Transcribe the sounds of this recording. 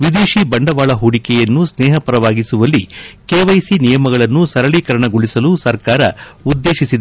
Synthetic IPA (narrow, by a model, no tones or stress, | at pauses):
ʋid̪eːʃibɐɳɖɐʋaːɭɐɦoːɽikɛjɐnːusnɛːɦɐpɐɾɐʋaːɡisuʋɐlːikeːʋɐjsinijɐmɐɡɐɭɐnːusɐɾɐɭikɐɾɐɳɐɡoɭisɐlusɐɾkaːɾɐud̪ːe̞ːʃisid̪ɐ